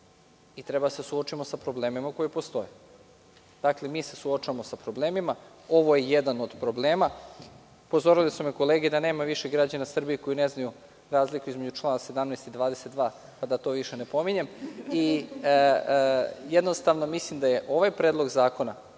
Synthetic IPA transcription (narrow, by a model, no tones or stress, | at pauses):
it̪ɾe̞basesuot͡ʃimo̞sapɾo̞ble̞ːmimako̞jipo̞st̪o̞je | d̪̥akle̞miːse̞suot͡ʃaamo̞sapɾo̞ble̞ːmima | o̞ʋo̞jejed̪ano̞d̪pɾo̞bleːma | po̞zo̞ɾilisumeko̞leːɡed̪ane̞ːmaʋiʃeɡɾad͡ʑanasr̩bijeko̞jineznaju | ɾaːzlikuizmed͡ʑut͡ʃlˠaːnase̞d̪amnɛːjst̪id̪ʋaːd̪ese̞t̪d̪ʋaː | pad̪at̪o̞ʋiʃenepo̞miɲe̞mi | jed̪nost̪aʋno̞mislimd̪ajeʔo̞ʋajpɾeːd̪loɡzaːko̞na